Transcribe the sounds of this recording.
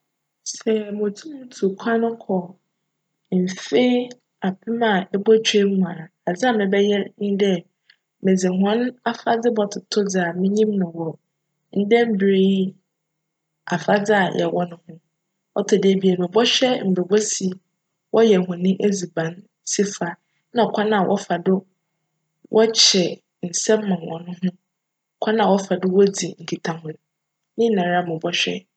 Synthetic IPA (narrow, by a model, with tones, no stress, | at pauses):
sɛ˨mʊ̃˨tʰu˦mũ˦tʰu˨kʷʰã˦nʊ̃˦kʰɔ˨ | m̩˨fe˦ | a˨pʰɪ˦mã˨ɛ˦bɔ˦t͡ɕᶣe˦m̩˦mã˨a˨d͡za˦mɪ̃˨bɛ˦jɛ˦nɪ̃˦dɛ˦ | mɪ̃˨d͡zɪ˨ɦɔ̃˦n˦a˦fa˦d͡zɪ˦bɔ˦tʰʊ˨tʰʊ˦d͡zɪ˨a˨mɪ̃˦ɲĩ˦mnʊ̃˨wɔ˨ | n̩˦dɛ̃˦m̩˦bɾe˦ji˦ | a˨fa˦d͡zɪ˦a˨jʔɛ̰˨wɔ˦nʊ̃˦hʊ̃˦ | ɔ˦tʰʊ˨dɪ˦˨bi˨a˨nʊ̃˨bɔ˦ɕᶣɛ˦m̩˨be˨bɔ˦si˨ | wɔ˦jɛ˨hʊ̃˨nɪ̃˦ʔe˦d͡zi˨bã˨n | si˦fa˨ | nã˨ɔ˨kʷʰa˦nã˦˨wʔɔ̰˦fa˨dʊ˦ | wʔɔ˦t͡ɕʰɛ˨ | n̩˨sɛ̃˦m̩ː˦ã˨n˨wɔ̰̃˨nʊ̃˦ɦʊ̃˦˨ | kʷʰa˦nã˦˨wɔ˦fa˨dʊ˦wɔ˦d͡zi˨ŋ̩˨kʰi˨tʰã˨hʊ̃˨n | nɪ̃˦nã˨ɾa˦mʊ̃˨bɔ˦ɕᶣɛ̰˦